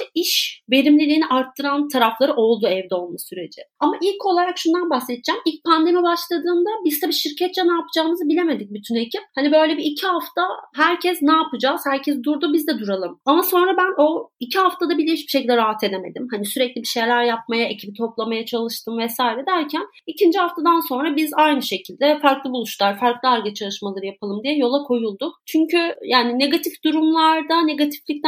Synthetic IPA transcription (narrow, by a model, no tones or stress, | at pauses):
ʃt̪ɛiʃbe̞ɾimlʲilʲiːniʔaɾt̪ʰːɯɾant̪ʰaɾaflˠaɾɯʔo̞lˠd̪uɛvd̪ɛo̞lˠmasyɾe̞d͡ʒɪamaʔilʲcʰo̞lˠaɾakʃund̪anbahset̪ʰd͡ʒæmilʲc̚pʰand̪e̞mibaʃlˠad̪ɯːnd̪abizt̪ʰabiʃiɾcʰɛt̪̚t͡ʃʰɛnaːpɯd͡ʒaːɯmɯzɯbilʲeme̞d̪ic̚byt̪ʰynecʰip̚hanibø̞jlʲebiːcʰihaft̪ʰaɦæɾcʰɛznaːpɯd͡ʒaːz̥hæɾcʰɛzd̪uɾd̪ubizd̪ɛd̪uɾalˠɯmamaso̞nɾabæno̞icʰiɦaft̪ad̪abilʲeiʃbiʃecʰilʲd̪ɛɾaɦat̪ʰe̞d̪e̞me̞d̪imhanisyɾɛclʲibiʃe̞jlʲæɾjap̚majae̞cʰibit̪ʰo̞plˠamajat͡ʃʰalˠɯʃt̪ʰɯmvɛsaːiɾɛd̪æɾcʰæn | icʰind͡ʒihaft̪ʰad̪anso̞nɾabizajnɯʃe̞cʰilʲd̪ɛfaɾklˠɯbulˠuʃlˠaɾfaɾklˠɯaɾɡat͡ʃʰalˠɯʃmalˠaɾɯjapʰalˠɯmd̪ijɛjo̞lˠakʰo̞julˠd̪ʊkt͡ʃʰyɲcʰyjaːnine̞ɡat̪ʰifd̪uɾumlˠaɾd̪ane̞ɡat̪ʰi̥flʲic̚t̪æ